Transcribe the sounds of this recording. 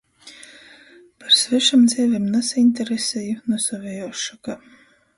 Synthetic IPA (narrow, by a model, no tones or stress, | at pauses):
paɾsvɛʃamd̪zʲɛɛvʲemnasaint̪ɛɾesɛjunusavʲejɔːʃaka